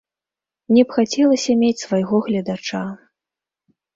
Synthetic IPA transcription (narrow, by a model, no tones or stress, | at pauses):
nʲɛpxat͡sʲɛlˠɐsʲɐmʲet͡sʲsvajɣɔɣlʲɐd̪at͡ʂa